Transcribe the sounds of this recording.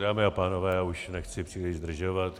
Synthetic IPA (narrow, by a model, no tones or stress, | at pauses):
daːmɪapaːnovɛːauʃnɛxt͡sɪpr̥ilɪʒzd̪r̩ʒovat̪